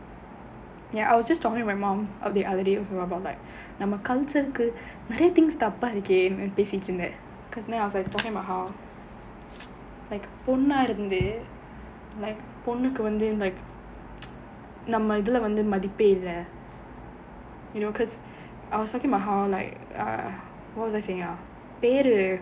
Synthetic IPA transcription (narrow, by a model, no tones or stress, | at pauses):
jaːʔɐ̰ɪʋɔsd͡ʒɐsʈɔːkɪ̃ŋmaɪmãːmʔɔ̰fd̪iʔɐðəɖeːʋɔsoɐbɐʊtlaɪk | nɐmːɐkɐlt͡ʃɐɾɯkːɯ | nɪɾɐjɐt̪ɪ̃ŋɡst̪ɐpːaːɪɾɯkːẽːnpeːsɪʈːɪɾɯnd̪e | kɔːsnaɐɪʋɔsaɪsʈɔːkɪ̃ŋbɐɦaʊ | lɐɪkpɔnːaːɪɾɯnd̪ɯ | lɐɪk | pɔnːɯkːɯʋɐnd̪ɯlɐɪk | nɐmːɐɪðɐlɐʋɐnd̪ɯmɐðɪpːeːɪlːɐ | jɪnoːkɔs | ɐɪʋɔsʈɔːkɪ̃ŋɐbaɦaʊlɐɪkː | ʋɔʈʋɔsɐɪseɪɪŋɡaː | peːɾɯ